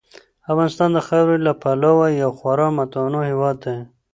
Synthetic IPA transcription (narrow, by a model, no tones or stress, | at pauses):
afɣɑnɪst̪ɑnd̪əxawɾelapʰalawajawxwaɾɑmat̪ɑnohewɑd̪ːa